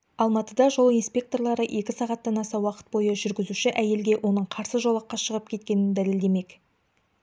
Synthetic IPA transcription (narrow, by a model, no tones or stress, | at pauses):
ɑlˠmɑt̪əd̪ɑʒo̞lˠinspʲe̞k̚t̪o̞rlˠɑɾəʔe̞kʲɪsɑʁɑt̪ːɑnɑsɑwɑqə̥t̪̚bo̞jəʒʏɾɡʲɪzuʃɪʔæje̞lɡʲe̞wʔo̞nəɴqʰɑɾsəʒolˠɑqːɑʃəʁəp̚kʲʰe̞t̪̚kʲe̞nɪnd̪æleld̪e̞me̞kʲ